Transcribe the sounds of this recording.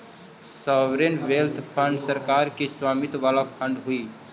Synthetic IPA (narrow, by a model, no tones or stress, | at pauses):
sɔʋɾenʋelt̪ʰpʰə̃ɳɖsəɾkaɾkiswaːmit̪ʋalapʰəɳɖɦui